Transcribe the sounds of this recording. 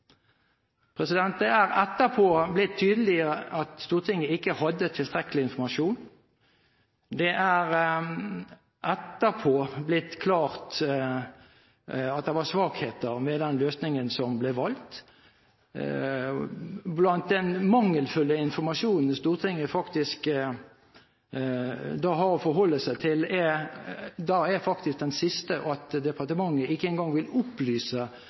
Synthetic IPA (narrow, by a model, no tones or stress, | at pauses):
pʰʁɛsɪd̪ɛnt̪̚d̪ɛæʁɛt̪ːəpʰoːblɪt̪ʰːyːd̪əlɪəəʔɑt̪st̪uːʁt̪ʰɪŋːəɪkːəhɑd̪ːət̪ʰɪlt̪ʁɛkəlɪɪnfɔʁmɑʂuːn | d̪ɛʔæʁ | ʔɛt̪ːəpʰoːblɪt̪ːkʰlɑːʁt̪ | ɑt̪̚d̪ɛʋɑsʋɑːkheːt̪əʁmɛd̪ɛnløːsnɪŋənsɔmblɛʋɑlt̪ | blɑnt̪̚d̪ɛnmɑŋːəlfʉlːəɪnfɔmɑʂuːnn̩st̪uːʁt̪ʰɪŋːəfɑkt̪ɪsk | d̪ɑɦɑɾɔfɔɾɦɔlːəsæɪt̪ʰɪlɛ | d̪ɑæfɑkt̪ɪsk̚d̪ɛnsɪst̪əʔɑt̪d̪ɛpʰɑʁt̪əmɑŋːəɪkːəɛnɡɑŋʋɪlʊplyːsə